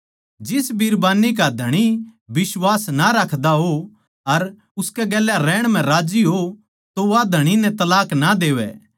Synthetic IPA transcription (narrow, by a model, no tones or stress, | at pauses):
d͡ʒɪsbiɾbaːnik̬ad̪ʱɐɽ̃ibɪswaːsnaɾɐkʰd̪aɦo | ɐɾ | ʊskɛɡɛːljaɾɛːɽ̃m̤ɛ̃ɾaːd͡ʒiɦo | t̪oʋad̪ʱɐɽ̃inɛ̃t̪ɐlaːknad̪eːʋɛ̰ː